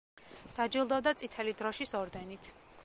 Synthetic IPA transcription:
d̪̥ad͡ʒilˠd̪ɔvd̪at̪sʼit̪ʰɛlid̪ɾɔʃisɔɾd̪ɛnit̪ʰ

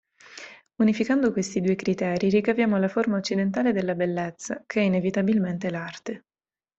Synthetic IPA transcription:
unifikand̪okwest̪id̪uːekɾit̪ɛːɾiɾikavjaːmolaformaot͡ʃːid̪ent̪̬aːled̪elːabelːet̪sːakʰeɛinevit̪abilment̪elart̪e

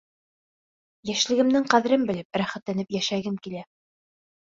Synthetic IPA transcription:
jæʃlɘ̆ɡɘ̆mnɘŋqæðɘ̆ɾɘmbɘ̆lɘp̚ɾæχæt̪lænɘpjæʃæɡɘmkilæ

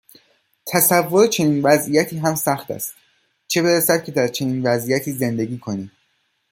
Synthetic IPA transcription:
t̪ʰæsævːoɾet͡ʃʰe̞niːnvæzʔijæt̪ʰiːɦæmsæχt̪ʰæ̰st̪ | t͡ʃʰe̞be̞ɾæsæd̪̚cʲʰe̞d̪æɾt͡ʃʰe̞niːnvæzijæt̪ʰiːze̞nd̪e̞ɡiːkʰo̞ni̥ː

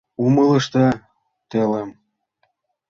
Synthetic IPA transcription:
umələ̆ʃt̪ɑ | t̪elem

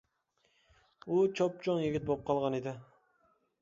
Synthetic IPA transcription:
ut͡ʃʰop̚t͡ʃʰoŋjɪɡʲɪt̪̚bop̚qʰɑlˠʁɑned̪ɪ

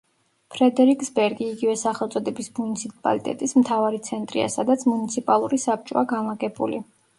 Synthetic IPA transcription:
pʰɾɛd̪ɛɾikʼsbɛɾɡiːɡivɛsaχɛlˠt̪sʼɔd̪ɛbismunit̪sʰipʼa̰lit̪ʼɛ̰t̪ʼism̩t̪ʰavaɾit̪sʰɛnt̪ʼɾḭa̰sad̪at̪sʰmunit̪sʰipʼalˠuɾisap̚t͡ʃʼɔaɡanlˠaɡɛbṵli

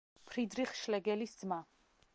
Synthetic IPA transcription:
pʰɾid̪ɾiχʃlɛɡɛlisd̪z̥ma

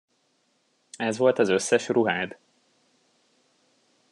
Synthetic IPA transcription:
ɛzʋo̞lt̪ɒzø̞sːɛʃruɦaːd̪

